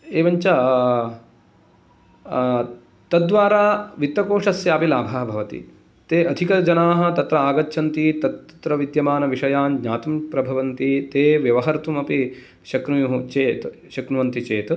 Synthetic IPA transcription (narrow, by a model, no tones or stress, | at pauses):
eːʋɐɲt͡ʃɐ | t̪ɐd̪ːʋaːɾaːʋit̪ːɐkoːʂɐsjaːpilaːbʱaːɦɐbʱɐʋɐt̪ḭ | t̪eːʔɐd̪ʱikɐd͡ʒɐnaːɦɐ̆t̪ɐt̪ɾɐaːɡɐt͡ʃːʃʰɐnt̪it̪ɐt̪t̪ɾɐʋid̪jɐmaːnɐʋiʂɐjaːmd͡ʒɲaːt̪umpɾɐbʱɐʋɐnt̪it̪eːʋjɐʋɐɦɐɾt̪umɐpi | ʃɐkɾujuɦut͡ʃeːt̪ | ʃɐkɾuʋɐnt̪it͡ʃeːt̪